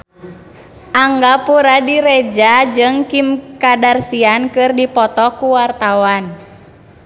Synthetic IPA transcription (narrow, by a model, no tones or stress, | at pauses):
ʔaŋɡapuɾadiɾɛd͡ʒad͡ʒɨŋkimkadarsiankɨrdipɔt̪ɔkuwart̪awan